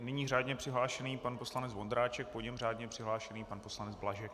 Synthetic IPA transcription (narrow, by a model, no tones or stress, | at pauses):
nɪɲiːraːdɲɛpr̥ɪɦlaːʃɛniːpanpo̞slanɛt͡sd͡zvo̞nd̪ɾaːt͡ʃɛk̚poɲɛmr̝aːdɲɛpr̥ɪɦlaːʃɛniːpanpo̞slanɛd͡zblaʒɛk̚